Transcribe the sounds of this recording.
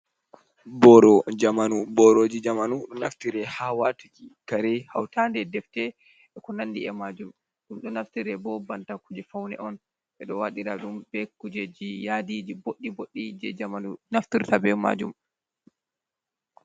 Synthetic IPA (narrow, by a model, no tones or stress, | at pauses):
bɔɾɔd͡ʒamanubɔɾoːd͡ʒid͡ʒamanuɗɔnaftiɾɛhawatud͡ʒikaɾɛha̰wtandɛdɛftɛ | ɛkɔnanːdiɛmad͡ʒum | ɗumɗɔnaftiɾɛbɔbantakud͡ʒɛfawnɛ̰ʔɔn | ʔɛɗɔwaɗiɾa̰ɗumbɛkud͡ʒɛd͡ʒijadid͡ʒiboɗːiboɗːid͡ʒɛ̰d͡ʒamanunaftiɾtabɛma̰d͡ʒum